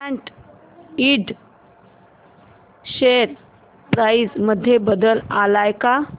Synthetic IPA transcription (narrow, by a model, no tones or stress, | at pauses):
ãɳʈ | iɖ | ɕeɾ | pɾajid͡zməd̪ʱːjebəd̪əlalajka